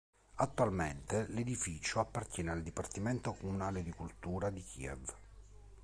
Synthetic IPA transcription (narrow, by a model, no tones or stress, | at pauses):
at̪ːualment̪eled̪ifiːt͡ʃoapːart̪jɛːneald̪ipart̪iment̪okomunaːled̪ikult̪uːɾad̪ikʰḭɛ̰v